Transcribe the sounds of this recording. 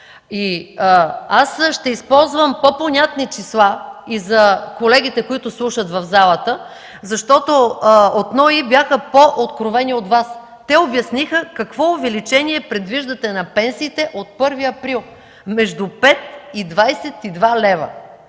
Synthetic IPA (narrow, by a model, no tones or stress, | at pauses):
i | asʃt̪ɛispɔlˠzvəmpoponʲat̪nit͡ʃislˠaizɐkolɛɡʲit̪ɛkoit̪ʊslˠuʃət̪vɐvzalˠət̪ə | zɐʃt̪ɔt̪oot̪nɔibjaxəpoʔot̪kɾovɛniot̪vas | t̪ɛobjɐsnixəkɐkvɔovɛlit͡ʃɛniɛpɾɛd̪viʒd̪ɐt̪ɛnɐpɛnsiːt̪ɛʔot̪̚pɤɾviɐpɾilˠ | mɛʒd̪upɛt̪̚id̪vajsɛt̪id̪valɛvə̰